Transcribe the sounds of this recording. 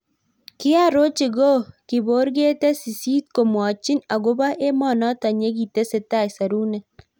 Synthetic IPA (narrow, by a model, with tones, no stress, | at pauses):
kɪ˦a˦˨ɾo˦t͡ʃi˨ɡo˦kɪ˨bo˨˦ɾɡe˦te˦si˨siː˦t̪̚ko˨mwɔ˨t͡ʃi˦na˨ɡo˦ba˦ʔe˦mɔ˨nɔ˦ta˨ɲe˦ɡi˨te˦se˨ta˦˨jsa˨ɾuː˦nɛ˨